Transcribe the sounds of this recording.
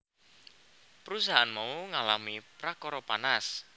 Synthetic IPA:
pəɾus̬aɦanmauŋalamipɾakɔɾɔpanas

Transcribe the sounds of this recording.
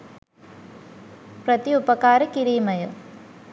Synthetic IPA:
pɾɐt̪iʊpɐkaːɾɐkɪɾiːmɐjɐ

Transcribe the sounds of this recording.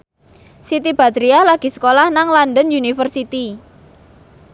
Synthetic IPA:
sit̪ib̥a̤t̪ɾialaɡ̥i̤sə̥kolahnaŋlandənjunifərsit̪i

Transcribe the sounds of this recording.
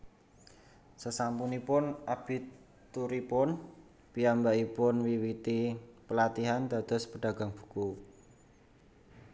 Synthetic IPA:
səsampunipʊnab̥i̤t | t̪uɾipʊn | piambaipʊnwiwit̪ipəlat̪iɦand̪a̤d̪̥ɔ̤spəɖ̥ä̤ɡ̥a̤ŋb̥u̥̤ku

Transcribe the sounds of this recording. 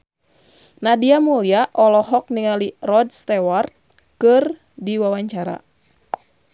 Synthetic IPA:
nadiamuliaʔɔlɔɦɔk̚niŋalirɔd̚st̪ɛwart̪̚ | kɨr | diwawaɲt͡ʃaɾa̰

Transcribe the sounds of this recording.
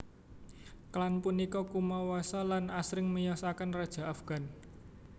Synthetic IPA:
klanpunikɔkumɔwɔsɔlanasɾɪŋməjɔsakənrad̥ʒ̥a̤afɡ̥a̤n

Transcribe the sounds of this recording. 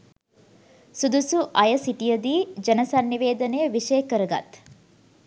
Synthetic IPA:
sud̪usuʔɐjɐsiʈijəd̪iːd͡ʒɐnɐsanːiʋeːd̪ɐnejəʋiʂejəkəɾɐɡa̰t̪

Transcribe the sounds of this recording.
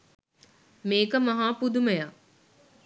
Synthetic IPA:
meːkəmɐɦaːpud̪uməjaː

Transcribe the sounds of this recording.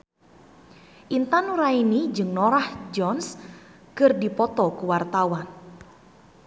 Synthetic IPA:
ʔint̪anuɾainid͡ʒɨŋnɔɾahd͡ʒɔns | kɨrdipɔt̪ɔkuwart̪awan

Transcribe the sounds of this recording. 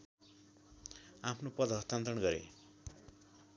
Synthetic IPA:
apʰnopʌd̪ʱɦʌst̪ant̪ʌnɡʌɾḛ

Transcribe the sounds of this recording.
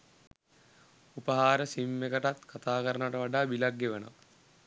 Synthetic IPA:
upəɦaːɾəsimːekəʈat̪kat̪aːkəɾənʈəʋaɖaːbilaɡːeʋənə̰ʋə

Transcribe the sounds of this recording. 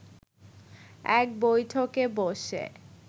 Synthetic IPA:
ɛk̚bojʈʰokeboʃḛ

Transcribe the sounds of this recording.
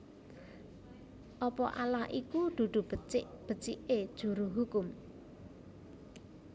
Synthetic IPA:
ʔɔpɔʔa̰lahʔikud̪̥ṳd̪̥ṳbət͡ʃɪʔb̥ə̤t͡ʃiʔed̥ʒ̥ṳɾoɦukʊm

